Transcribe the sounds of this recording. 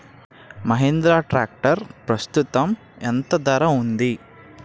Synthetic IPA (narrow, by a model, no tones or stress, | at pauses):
mɐɦend̪ɾaːʈɾaːk̚ʈɐɾpɾɐst̪ut̪ɐm | ent̪ɐd̪ɐɾɐund̪i